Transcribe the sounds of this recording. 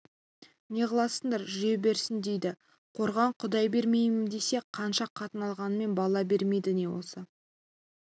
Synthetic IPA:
ne̞qɑlˠɑsəɴd̪ɑɾʒʏje̞be̞ɾsɪnd̪e̞jd̪ɪ | qʰo̞ɾʁɑɴqʰʊd̪ɑjbe̞ɾme̞jmɪmd̪e̞se̞qʰɑnʃɑqʰːɑt̪ənɑlˠʁɑnəme̞nbɑlˠɑbe̞ɾme̞jd̪ɪne̞wo̰sə

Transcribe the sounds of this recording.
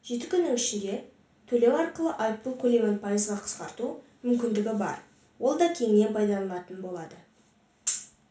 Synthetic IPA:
ʒ̥e̞t̪ɪkʲʰʏnːɪŋʏʃɪd̪ʲe̞ | t̪ʰɵle̞wɑɾqəlˠəʔɑjp̪̚ukʲʰɵlemenpʰajɪzʁɑqʰə̥sqɑɾt̪umʏmkʲɪnd̪ɪɡʲɪbɑ̰ɾ | wo̞lˠd̪ɑkʲʰe̞ŋne̞npʰɑjd̪ɑlˠlˠɑt̪ənbo̞lˠɑd̪ə

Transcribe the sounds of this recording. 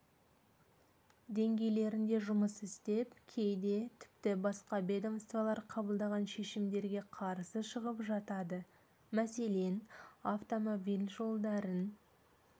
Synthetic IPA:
d̪e̞ŋɡʲe̞jle̞ɾɪnd̪e̞ʒʊməsɪst̪e̞pkʲʰe̞jd̪e̞t̪ʰɪ̥pt̪ɪbɑsqɑbe̞d̪omst̪vɑlˠɑɾqʰɑbəlˠd̪ɑʁɑnʃe̞ʃɪmd̪e̞ɾɡʲe̞qʰɑɾsəʃəʁəpʒɑt̪ɑd̪ə | mæse̞le̞naft̪o̞mobilʲʒo̞lˠd̪ɑɾən

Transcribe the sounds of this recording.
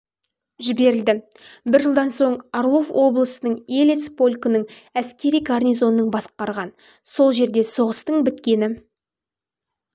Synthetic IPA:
ʒɪbe̞ɾɪld̪ɪ | bɪɾʒəlˠd̪ɑnso̞ɴaɾlˠo̞vwo̞blˠəsənəɴelet̪spo̞lʲkənəɴæskʲe̞ɾijɡarnʲijzo̞nːəɴbɑsqɑɾʁɑn | so̞lˠʒe̞ɾd̪e̞so̞ʁəst̪əɴbɪt̪kʲe̞nɪ

